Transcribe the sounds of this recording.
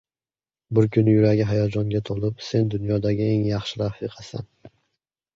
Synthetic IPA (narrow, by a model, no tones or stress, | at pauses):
bʊɾkʰʲʊnɪjʊɾaɡʲɪɦajɒd͡ʒɒŋɡʲat̪ʰolˠɪpse̞nd̪ʊnjɒd̪aɡʲɪe̞ŋjɑχʃɪlafɪqʰɑsa̰n